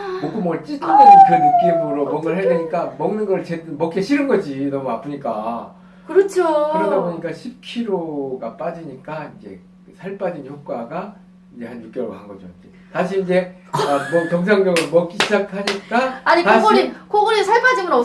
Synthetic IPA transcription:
mok͈omwʌt͡ɕ͈itʰunenɯnkɯnɯk͈̚imɯɾomʌŋɡʌɭɦedeɲik͈amʌŋnɯnɡʌɾt͡ɕedmʌk͈eɕʰiɾɯnɡʌd͡ʑinʌmuap͈ʰɯɲik͈a | kɯɾʌt͡ɕʰoɯɾʌdaboɲik͈aɕʰip̚kʰiɾoɡap͈ad͡ʑiɲik͈aind͡ʑe̞̰ | ɯsʰaɭp͈ad͡ʑinçjok̚k͈waɡa | ind͡ʑe̞hanjuk͈jʌɾoɡhaŋɡʌd͡ʑo̰id͡ʑe | taɕ̬ʰiːnd͡ʑe̞ | ʌmʌtʌŋsʰaŋɡʌɡɯmʌk͈iɕʰid͡ʑak̚ʰhaɲik͈aaɲitaɕɡʌɾikoɡʌɾisʰaɭp͈ad͡ʑimɯnʌ

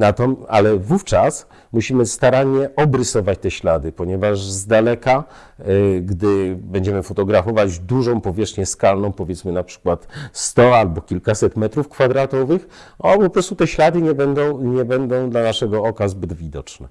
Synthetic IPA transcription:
nat̪ɔma̰lɛvuft͡ʂas | muɕimɘst̪aɾaɲɛʔɔbɾɘsɔvat͡ɕt̪ɛɕlad̪ɘpɔɲɛvaʐzd̪alɛka | ɡd̪ɘbɛɲd͡ʑɛmɘfɔt̪ɔɡɾafɔvad͡ʑd̪uʐɔ̃w̃pɔvʲjɛʂxɲɛskalnɔ̃w̃pɔvʲjɛt̪smɘnapʂɘ̥kwat̪st̪ɔalbɔkʲilkasɛt̪mɛt̪ɾufkfad̪ɾat̪ɔvɘx | ɔpɔpɾɔst̪ut̪ɛɕlad̪ɘɲɛbɛnd̪ɔ̃w̃ɲɛbɛnd̪ɔ̃w̃d̪lanaʂɛɡɔɔkazbɘd̪vʲid̪ɔt͡ʂnɛ

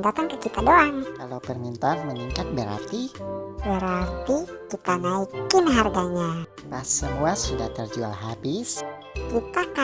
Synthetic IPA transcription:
mbat̪ankət͡ʃit̪adoaŋkalawpərmint̪arməniŋkat̪̚bəɾa̰rt̪ibəɾart̪ikit̪anaikɪnɦarɡaɲa | pasəmuasudaht̪ərd͡ʒua̰lɦabɪs | kit̪aka

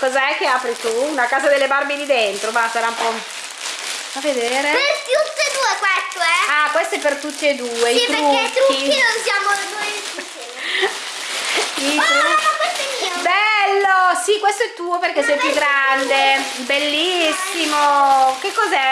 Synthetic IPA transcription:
kɔzaɛk̟ːeapɾit̪uːnakaːzad̪elːebarbed̪id̪ent̪ɾomasaɾaumpɔ | faved̪eːɾeet̪jut̪ːed̪uːekwest̪oɛakwest̪oɛpːert̪ut͡ʃ̪ːed̪uːeiit̪euɛt̪ɾuiinonsjaːmonojt̪ɾu | it̪kwest̪oɛmiobɛlːosikwest̪oɛt̪ːuːoperk̟esɛjpjuɡːɾand̪e | belːisːimok̟ekːɔzɛ

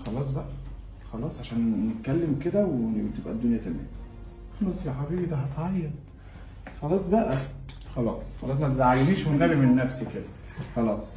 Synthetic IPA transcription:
xɑlɑːs̬ˤbæʔæ | xɑlɑːsˤʕaʃæːnnet̪̚kælːemked̪æwenet̪ebʔæ̰d̪ːonjæt̪æmæ̰ːm | xɑlɑːsˤjæħabiːbid̪æɦɑt̪ʕɑjːɑd̪ | xɑlɑːsˤbæʔæ | xɑlɑːsˤxɑlɑːs̬mæt̪ezaʕajeniːʃwenɣælimenːæfsiked̪æ | xɑlɑːsˤ

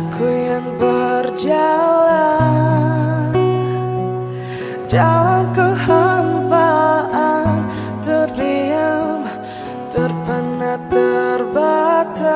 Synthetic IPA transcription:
kʰujanbərd͡ʒala | dalamkəhambaʔan | t̪ərdiam | t̪ərpənat̪ərbat̪a

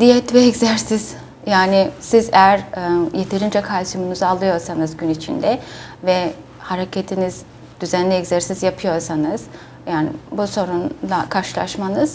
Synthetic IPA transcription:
d̪ijɛt̪vɛːczæɾsiz̥ | jaːnɪsizejæɾjet̪ʰe̞ɾind͡ʒɛkʰalsɯmunuzalˠɯjo̞ɾsanɯzɟynit͡ʃʰḭnd̪ɛvɛ | haɾecʰet̪ʰiniz | d̪̥yzænlʲɛɛczæɾsizjapʰɯjo̞ɾsanɯz̥ | jaːnḭbuso̞ɾunlˠakʰaɾʃɯlˠa̰ʃmanɯz̥

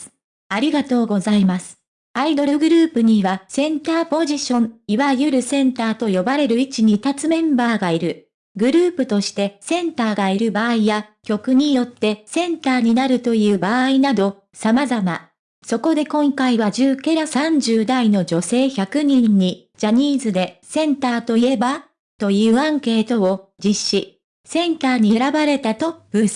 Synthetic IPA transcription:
aɾʲiɡat̪o̞ːɡo̞zaimasɨ̥ | aid̪o̞ɾɯɡɯ̟ɾɯ̟ːpɯ̟ɲ̟iβasẽ̞nt̪aːpo̞ʑiɕõ̞ŋiβajɯ̟ɾɯ̟sẽ̞nt̪aːt̪o̞jo̞baɾe̞ɾɯ̟it͡ɕiɲ̟it̪at͡sɨmẽ̞mbaːɡaiɾɯ̟ | ɡɯ̟ɾɯːpɯ̟t̪o̞ɕi̥t̪e̞sẽ̞nt̪aːɡaiɾɯ̟baːijakʲo̞kɯ̟ɲ̟ijo̞t̪ːe̞sẽ̞nt̪aːɲ̟inaɾɯ̟t̪o̞jɯ̟ːbaːinad̪o̞ | samazama̰ | so̞ko̞d̪e̞kõ̞ŋkaiβaʑɨːke̞ɾasãɲ̟d͡ʑɨːd̪aino̞d͡ʑo̞se̞ːçakɯ̟ɲ̟ĩɲ̟ːi | d͡ʑaɲ̟iːzɨd̪e̞sẽ̞nt̪aːt̪o̞ie̞ba | t̪o̞jɯːãŋke̞ːt̪o̞od͡ʑiɕːi | sẽ̞nt̪aːɲ̟ieɾabaɾe̞t̪at̪o̞b̥ɯ̟s

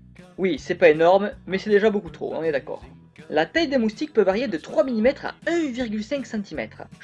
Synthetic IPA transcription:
wisɛpaenɔʁmmɛsɛd̪eʒabokut̪χo̰ɔ̰̃nɛd̪akɔ̰ːʁ | lat̪ajd̪emust̪ik̚pøvaʁjed̪ət̪χwamilimɛt̪χa̰ɛ̃viʁɡʲylsɛ̃ŋksɑ̃t̪imɛ̰t̪χ

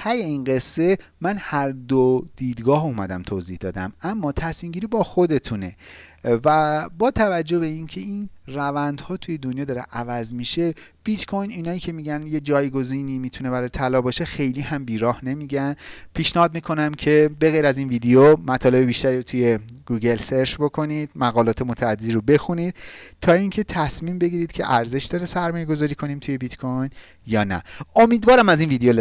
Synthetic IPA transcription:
hʰæjeiːnɢe̞sːe̞ | mænhæɾd̪od̪̥iːd̪ɡɒːhuːmæd̪æmt̪ʰoːzihd̪ɒ̰ːd̪æ̰mæmːɒːt̪ʰæsmiːmɟʲiːɾiːbɒːxo̞d̪e̞t̪ʰune̞̰væbɒːt̪ʰævæd͡ʒːo̞hbe̞iːncʰe̞inrævænd̪hɒːt̪ʰuje̞d̪onjɒːd̪ɒːɾḛʔævæzmiʃe̞b̥it̪kʰo̞jniːnɒːiːcʰe̞miːɟænje̞d͡ʒɒːjɡo̞ziːnimiːt̪ʰune̞bæɾɒːjet̪ʰælɒːbɒːʃe̞xe̞jliːhæmbiːɾɒːhne̞miːɟænpʰiːʃnæhɒːd̪̚miːkʰo̞næmcʰe̞be̞ɣejɾæziːnviːd̪ejomæt̪ʰɒːle̞be̞biːʃt̪æɾiːɾot̪ʰuje̞ɡ̥uːɡe̞lse̞ɾt͡ʃbo̞kʰo̞nid̪̥mæɣɒːlɒːt̪ʰemot̪ʰæːd̪ed̪iɾobe̞xuniːd̪̥̚t̪ʰɒːiŋcʰe̞t̪ʰæsmiːmbe̞ɡiːɾid̪̥cʰe̞̰ʔæɾze̞ʃd̪ɒːɾesæɾmɒːjeɡo̞zɒːɾiːkʰo̞niːmt̪ʰuje̞bit̪kʰojn | jɒːnæ̰omiːd̪vɒːɾæmæziːnviːd̪ejol

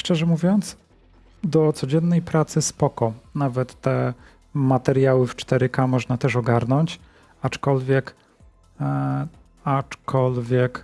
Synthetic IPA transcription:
ʂt͡ʂɛʐɛmuvʲjɔnt̪s | d̪ɔt̪sɔd͡ʑɛnːɛjpɾat̪sɘspɔkɔnavɛt̪ːɛ | mat̪ɛɾjawɘft͡ʂt̪ɛɾɘkamɔʐnat̪ɛʂɔɡaɾnɔɲt͡ɕ | at͡ʂkɔlvʲjɛk | at͡ʂkʰɔlvʲjɛk

